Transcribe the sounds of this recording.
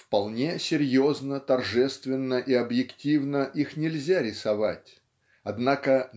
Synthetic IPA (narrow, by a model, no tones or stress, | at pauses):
fpɐlˠnʲe̞sʲɪɾʲjoznət̪ɐrʐɛst̪vʲɪnːəʔiɐbjɪktʲivnəʔixnʲɪlʲzʲaɾʲɪsɐva̰tʲ | ɐd̪nakə